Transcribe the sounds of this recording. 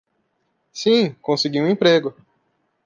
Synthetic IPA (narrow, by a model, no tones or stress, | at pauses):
sĩkõsɪɡiũẽpɾeɡʊ